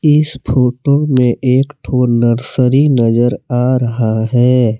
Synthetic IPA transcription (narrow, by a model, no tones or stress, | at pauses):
ɪspʰoːʈomẽʔeːkʈʰoːɾnəɾsəɾinɐzəɾaːɾɐɦaɦɛː